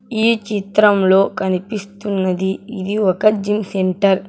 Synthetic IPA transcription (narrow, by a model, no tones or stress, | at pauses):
iːt͡ʃit̪ɾɐmlo̞ːkɐnipist̪unːɐd̪iːd̪iɔkɐd͡ʒimseɳʈɐɾ